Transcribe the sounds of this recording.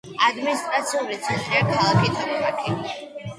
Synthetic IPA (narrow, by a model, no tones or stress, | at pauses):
ad̪minist̪ʼɾat̪sʰiulit̪sʰɛnt̪ʼɾiakʰalˠakʰit̪ʰaɾɾakʰi